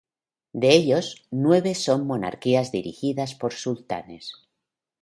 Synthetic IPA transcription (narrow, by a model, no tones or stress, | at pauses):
d̪e̞eʎo̞znwe̞βeso̞mːo̞na̰ɾkiazðiɾḭxiðaspo̞ɾsult̪a̰nes